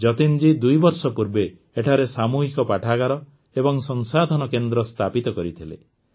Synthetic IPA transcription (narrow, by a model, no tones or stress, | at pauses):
d͡ʒɔt̪ind͡ʒid̪ujbɔɾsɔpuɾbe | eʈʰaɾesamuɦikɔpaʈʰaɡaɾɔ | ebɔŋsɔŋsad̪ʱɔnɔkend̪ɾɔst̪ʰapit̪ɔkɔɾit̪ʰilḛ